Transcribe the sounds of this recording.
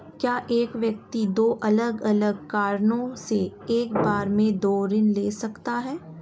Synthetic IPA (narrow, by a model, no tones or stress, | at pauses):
kjaːʔeːkʋjək̚t̪id̪oːʔɐləɡɐləɡ̚kaːɾnõseeːkbaːɾmẽd̪oːɾɪnleːsɐkt̪aɦɛː